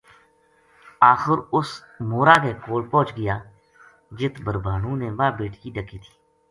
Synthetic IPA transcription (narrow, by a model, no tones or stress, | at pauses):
aːxəɾʊs | moːɾaːkeːkoːɽpɔ̃ːt͡ʃɡəjaː | d͡ʒɪt̪bəɾbaːɳũːneːʋaːbeːʈkiːɖəkiːt̪ʰi̥ː